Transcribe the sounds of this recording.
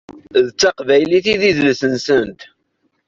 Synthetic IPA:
ðt͡sːaqvæjliθiðiðləsənsənt̪

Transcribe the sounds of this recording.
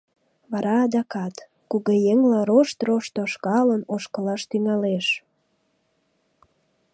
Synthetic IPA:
βɑɾɑːd̪ɑkɑt̪ | kuɣejeŋlɑroʃt̪roʃt̪oʃkɑlənoʃkəlɑʃt̪yŋɑleʃ

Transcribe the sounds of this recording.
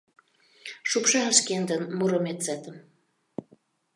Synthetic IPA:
ʃupʃɑəʃkend̪ənmuɾomet̪t͡sæt̪ə̆m

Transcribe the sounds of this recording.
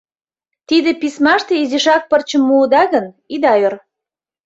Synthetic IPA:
t̪id̪ĕpismɑʃt̪ĕiziʃɑk̚pərt͡ɕə̆mːuːd̪ɑɣə̆n | id̪ɑjør

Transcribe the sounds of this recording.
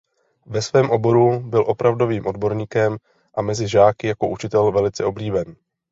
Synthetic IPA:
vɛsvɛːmʔo̞bo̞ɾubɪlʔo̞pɾʔavdo̞viːmʔo̞dbo̞ɾɲiːkɛm | ʔamɛzɪʒaːkɪjako̞ʔut͡ʃɪt̪ɛlvɛlɪt͡sɛo̞bliːbɛn

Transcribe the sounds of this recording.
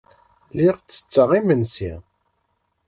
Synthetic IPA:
liʁt͡sːə̥t͡sːəʁimənsḭ

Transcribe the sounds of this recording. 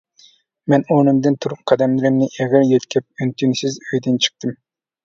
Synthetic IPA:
mɛnonɪmd̪ɪnt̪ʰuɾuqqʰɑd̪ɛmlˠɪɾɪmnɪʔɛɡʲæɾjet̪kʲʰɛp̚ynt̪ʰynsɪzøjd̪ɪnt͡ʃʰə̥q̚t̪ʰɨm

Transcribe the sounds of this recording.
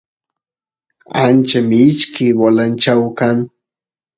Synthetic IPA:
ant͡ʃamɪɪt͡ʃkɪwalant͡ʃawkaŋ

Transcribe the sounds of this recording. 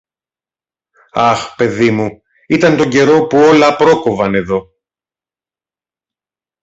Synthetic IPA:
ɐxpe̞ðimu | it̪ɐnt̪o̞ɲɟe̞ɾo̞puo̞lɐpɾo̞kovɐne̞ðo̞

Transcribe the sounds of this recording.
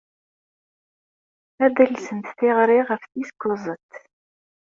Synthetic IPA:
æðəlsənt̪θɪʁɾɪʁəfθiskʷːʊzˤət̪

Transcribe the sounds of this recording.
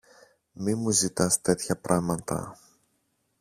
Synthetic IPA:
mimuzit̪ɐst̪e̞t̪çɐpɾʔɐmɐt̪ɐ̰

